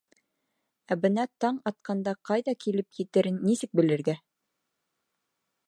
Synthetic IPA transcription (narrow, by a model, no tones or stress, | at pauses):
æbɘ̆nɑt̪ɑɴɑt̪̚qɑnd̪ɑqɑjðɑkilɘpjɘ̆t̪ɘ̆ɾɘnːisɘk̚bɘ̆lɘ̆ɾɡæ